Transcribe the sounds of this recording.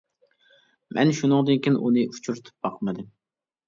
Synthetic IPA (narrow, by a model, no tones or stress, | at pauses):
mʔɛ̰nʃunɨŋd̪ɨnkʲʰinʔunɨʔut͡ʃʰuɾt̪ʰɨ̥p̚bɑqʰmɨd̪ɨm